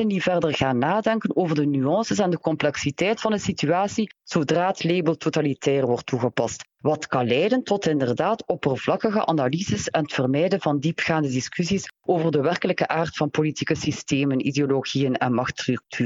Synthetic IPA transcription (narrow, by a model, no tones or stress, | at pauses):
ənivɛrdərɣaːnːaːdɛŋkənoːvərdənyɑnsəsɛndəkɔmplɛksitɛjtfɑndəsityaːsiz̥odraːətleːbəlˠtotalitʰɛːrʋɔrtːuɣəpɑst | ʋɑtkɑnlɛjdəntɔtɪndərdaːtɔpərvlɑkəɣə̰ʔanalizəsɛnətfərmɛjdənvɑndipxaːndədɪskysisʔoːvərdəʋɛrkələkəʔaːrtfɑnpolitikəsisteːmənideoloɣijənɛ̰nmɑxtryk̚tʰyː